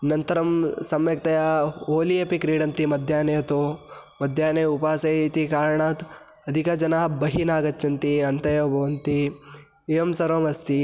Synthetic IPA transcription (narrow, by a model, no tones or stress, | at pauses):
nɐnt̪ɐɾɐmsɐmjɐk̚t̪ɐjaːoːlijepikɾiːɽɐnt̪imɐd̪ʱjaːneːt̪oː | mɐd̪ʱjaːneupaːsɐit̪ikaːɾɳaːt̪ | ɐd̪ʱikad͡ʒɐnaːbɐɦinaːɡɐt̪t͡ʃɐnt̪iɐnt̪ɐjɐbʱɐʋɐnt̪iː | jɐmsɐɾɐmɐst̪i